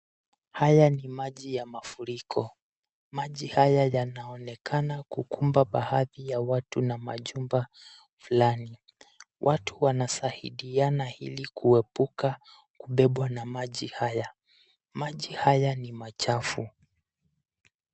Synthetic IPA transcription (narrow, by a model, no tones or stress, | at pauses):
hajanimaʄijamafuɾikʰɔ | maʄihajajanaɔnɛkʰanakukumbaɓahaðijawatunama̰ʄumba | fulani | wʔatʰuwanasahḭɗianahḭlikʰuɛpuka | kuɓɛɓwanamaʄihaja | maʄihajanimat͡ʃafu